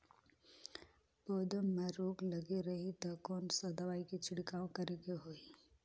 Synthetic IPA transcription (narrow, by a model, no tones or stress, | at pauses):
pɔːd̪əmːẽɾoːɡləɡeɾəɦit̪ɔkɔːnsəd̪aʋaːikit͡ʃʰɪɽkaːw̃kəɾeɡeɦoːi